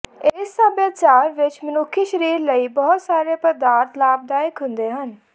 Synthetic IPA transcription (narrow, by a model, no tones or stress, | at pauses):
esːəbjaːt͡ʃaːɾʋɪt͡ʃmənʊkʰːiːʃəɾiːɾləiːbɔɦʊt̪saːɾeːpəd̪aːɾt̪laːb̚d̪aːɪkɦʊ̃nd̪eːɦən